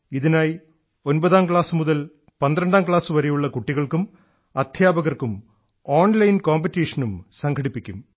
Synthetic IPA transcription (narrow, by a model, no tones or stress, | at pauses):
iðinaːj | o̞nbɐðaːmkɭaːsɨmuðɐl | pɐnd̪ɾɐɳɖaːmkɭaːsɨʋɐɾejuɭːɐkuʈːiɣɐɭkum | ɐd̪ʱjaːbɐɣɐrkum | oːnlɐjnkoːmpɐtːiːʂɐnumsɐŋɡʰʱɐɽipːikʲːum